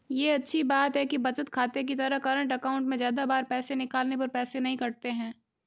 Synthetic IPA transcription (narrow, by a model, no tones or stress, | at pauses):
jeːɐtːʃʰibaːt̪ɦɛkibɐt͡ʃət̪kʰaːt̪ek̬it̪ɐɾəɦkɐɾə̃ɳʈɐkaːʊ̃ɳʈmẽzjaːd̪abaːɾpɛːsenɪkaːlnepɐɾpɛːsenɐɦĩkɐɾt̪eɦɛ̃ː